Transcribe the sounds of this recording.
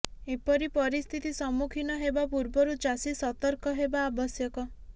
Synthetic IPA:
epɔɾipɔɾist̪ʰit̪isɔmukʰinɔɦebapuɾbɔɾud͡ʒasisɔt̪ɔɾkɔɦebaːbɔsjɔkɔ

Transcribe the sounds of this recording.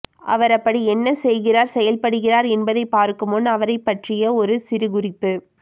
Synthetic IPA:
ʔɐ̰ʋɐɾɐpːɐɽiɛnːɐsɛjɣɪraːɾsɛjɐlpɐɽɯɣɪraːɾɛnbɐðɐɪpːaːɾkɯmɔnːɐʋɐɾɐɪpːɐʈrɪjɐɔɾɯsɪɾɯɣʊrɪpːɯ

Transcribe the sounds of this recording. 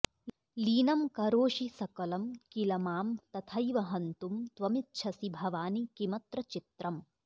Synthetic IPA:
liːnɐmkɐɾoːʃisɐkɐlɐmkilɐmaːmt̪ɐt̪ʰɐjʋɐɦɐnt̪umt̪ʋɐmit̪ʃʰɐsibʱɐʋaːnikimɐt̪ɾɐt͡ʃit̪ɾɐm

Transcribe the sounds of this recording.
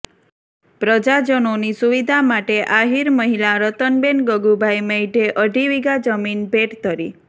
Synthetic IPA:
pɾəd͡ʒad͡ʒənonisuʋid̪ʱamaʈeʔaɦiɾməɦilaɾət̪ənbenɡəɡubʱajmeiʈeʔəɖʱiʋiɡad͡ʒəminbʱeʈt̪ʰəɾi

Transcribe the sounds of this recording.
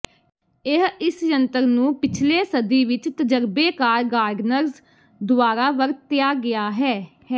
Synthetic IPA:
ɪɦɪsjənt̪əɾnũːpɪt͡ʃʰleːsəd̪iːʋɪt͡ʃt̪əd͡ʒəɾbeːkaːɾɡaːɾɖnəɾz | d̪ʊaːɾaːʋəɾt̪ːɪjaːɡɪjaːɦɛːhɛː

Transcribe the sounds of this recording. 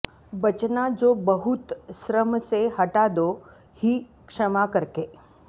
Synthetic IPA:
bɐt͡ʃnad͡ʒoːbɐɦʊt̪ʃɾəmseɦɐʈad̪o | hi | kʂɐmakɐɾke

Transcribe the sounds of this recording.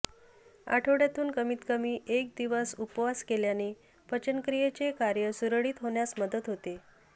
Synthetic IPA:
a̰ʈʰəʋɽjat̪uːnkəmiːt̪kəmiːʔek̚d̪iʋəsupʋaskeljaneː | pət͡ɕənkɾijet͡sekaɾjəsuɾəɭiːt̪ɦoɳjasməd̪ət̪ɦot̪e

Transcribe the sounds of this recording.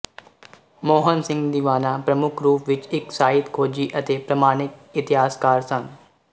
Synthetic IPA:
moːɦənsɪ̃ŋɡd̪iʋaːnapɾɐmʊkʰɾuːpʋɪt͡ʃɪksaːɦɪt̪kʰoːd͡ʒiːʔɐt̪eːpɾɐmaːɽ̃ɪk̪̚ɪt̪ɪɦaːskaːɾsɐn

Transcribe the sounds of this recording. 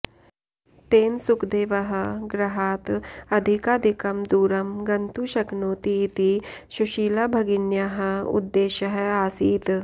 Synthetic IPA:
t̪eːnsukd̪eːʋɐɦɐ̆ɡɾɐɦaːt̪ɐd̪ʱikaːd̪ʱikɐmd̪uːɾɐmɡɐnt̪uʃɐɡnoːt̪it̪iʃuʃiːlɐbʱɐɡinjaɦɐ̆ṵd̪ːeːʃɐɦɐaːsiːt̪

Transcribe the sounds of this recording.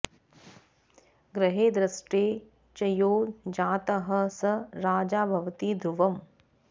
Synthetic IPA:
ɡɾɐɦeːd̪ɾɐsʈeː | t͡ʃɐjoːd͡ʒaːt̪ɐɦɐ̆sɐɾaːd͡ʒaːbʱɐʋɐt̪id̪ʱɾuʋɐm

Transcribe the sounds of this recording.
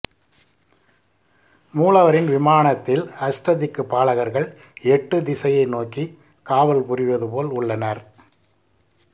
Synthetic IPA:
muːlɐʋɐɾɪnʋɪmaːɳɐt̪ːɪlɐsɾɐðɪkːɯpːaːɭɐɣɐɾɣɐɭ | ɛʈːɯd̪ɪsɐjɐɪnoːkːi | kaːʋɐlpʊɾɪʋɐðɯpoːlʊɭːɐnɐɾ

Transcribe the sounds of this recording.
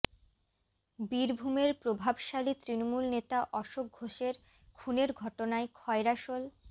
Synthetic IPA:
biɾbʱumeɾpɾobʱabʃalit̪ɾinomulnet̪aʔɔʃok̚ɡʱoʃeɾ | kʰuneɾɡʱɔʈonaekʰɔeɾaʃol

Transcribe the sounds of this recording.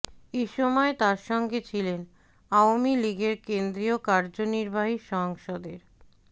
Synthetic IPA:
eʃɔmɔet̪aɾʃɔŋɡet͡ɕʰilen | aomiliɡeɾkend̪ɾiokaɾd͡ʑoniɾbaɦiʃɔɦoŋʃɔd̪eɾ

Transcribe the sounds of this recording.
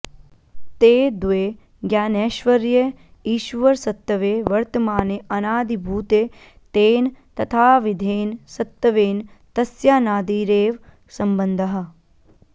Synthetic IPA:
t̪eːd̪ʋeː | ɡjaːneːʃʋɐɾjɐ | iːʃʋɐɾsɐt̪ːɐʋeːʋɐɾt̪ɐmaːneʔɐnaːd̪ʱibʱuːt̪e | t̪eːnt̪ɐt̪ʰaːʋid̪ʱeːnsɐt̪ːɐʋeːnt̪ɐsjaːnaːd̪iːɾeːʋ | sɐmbɐnd̪ʱɐɦɐ̆

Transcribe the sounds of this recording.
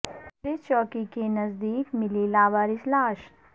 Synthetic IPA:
ɾet͡ʃɔːkikenɐzd̪iːkmɪlilaːʋaːɾɪslaːʃ

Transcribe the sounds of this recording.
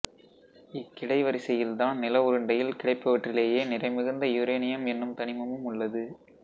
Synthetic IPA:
ɪkːɪɽɐɪʋɐɾɪsɐjɪlt̪ãːnnɪlɐʋʊɾɯɳɖɐjɪlkɪɽɐɪpːɐʋɐʈrɪleːjeːnɪrɐɪmɪɣɯnd̪ɐjʊɾeːnɪjɐmɛnːɯmt̪ɐnɪmɐmɯmʊɭːɐðɯ

